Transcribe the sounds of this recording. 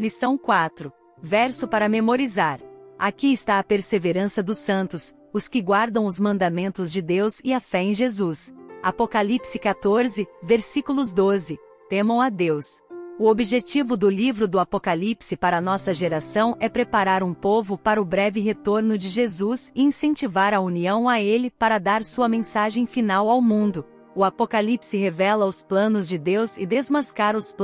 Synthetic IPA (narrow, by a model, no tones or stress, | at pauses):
lisɐ̃w̃kwat̪ɾʊ | vɛɾsʊpaɾɐmemoɾizaɾakiɪst̪aɐpeɾseveɾɐ̃sɐd̪ʊsɐ̃nt̪ʊs | ʊskɪɡwaɾd̪ɐ̃w̃ʊzmɐ̃nd̪amẽnt̪ʊzd͡ʒɪd̪ewzɪɐfɛẽj̃ʒezusapokalipsɪkat̪oɾzɪveɾsikulʊzd̪ozɪ | t̪ẽmɐ̃w̃ad̪ews | ʊobiʒet͡ʃivʊd̪ʊlivɾʊd̪ʊapokalipsɪpaɾɐnɔsɐʒeɾasɐ̃w̃ɛpɾepaɾaɾũpovʊpaɾɐʊbɾɛvɪɦet̪oɾnʊd͡ʒɪʒezusɪĩsẽnt͡ʃivaɾɐuniɐ̃w̃aelɪpaɾɐd̪aɾsuɐmẽsaʒẽj̃finawawmũnd̪ʊ | ʊapokalipsɪɦevɛlɐʊsplɐ̃nʊzd͡ʒɪd̪ewzɪ̰d̪ezmaskaɾʊsp